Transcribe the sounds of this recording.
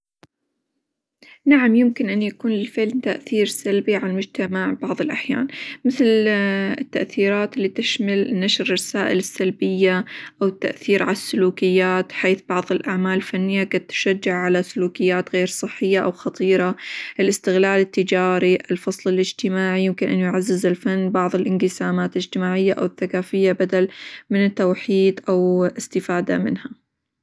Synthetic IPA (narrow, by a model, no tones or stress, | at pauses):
naʕamjɪmkɪnʔanːjakuːnlɪlfɪʕlnt̪aʔθiːɾsalbiʕalalmʊd͡ʒt̪amaʕbɑʕðˤɨlʔaħja̰ːnmɪθlɪt̪ːaʔθiːɾaːt̪ɪlːit̪ɪʃmalnaʃɾrˤɑsaːʔɪlɪsːalbɪjːaʔawɪt̪ːa̰ʔθiːɾʕalasːʊluːkɪjːaːt̪ħeːθbɑʕðˤɪlʔaʕmaːlɪlfanːɪjːaɡaːt̪ːʊ̥ʃad͡ʒːaʕʕalasʊluːkɪjːaːt̪ɣeːɾsˤɨħːɪjːaʔawxɑt̪ˤiːɾɑʔɪlʔɪst̪ɪɣlaːlɪt̪ːɪd͡ʒaːɾiʔɪlfɑsˤlɪlɪd͡ʒt̪ɪmaːʕijɪmkɪnʔanjʊʕazːɪzɪlfanːbɑʕðˤɨlʔɪnqɪsaːmaːt̪lɪd͡ʒt̪ɪmaːʕɪjːaʔa̰wɪθːakaːfɪjːabad̪almɪnɪt̪ːowħiːd̪ʔawʔɪst̪ɪfaːd̪a̰mɪ̰nha